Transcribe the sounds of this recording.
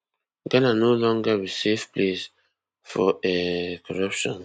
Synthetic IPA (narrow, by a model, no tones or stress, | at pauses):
ɡananolɔŋɡaɹisivples | fo̰ekʰoɹapʃɔ̃n